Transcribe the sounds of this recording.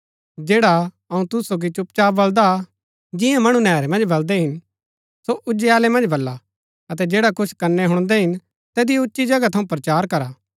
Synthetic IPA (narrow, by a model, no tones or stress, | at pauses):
d͡ʒeːɽa | ɐũt̪ʊsoːɡ̬it͡ʃʊp̚t͡ʃaːbɐld̪a | d͡ʒɪ̃jãmɐɽ̃ũnɛːɾemɐ̃nd͡ʒbɐld̪ɛɦɪn | soʔʊd͡ʒeaːlemɐ̃nd͡ʒbɐlːa | ɐt̪̬ɛd͡ʒeːɽakʊt͡ʃʰkɐnːɛɦʊɽ̃d̪ɛɦɪn | t̪ɛːd̪ijʊtːʃid͡ʒɐɡat̪ʰɐũpɾɐt͡ʃaːɾkɐɾaː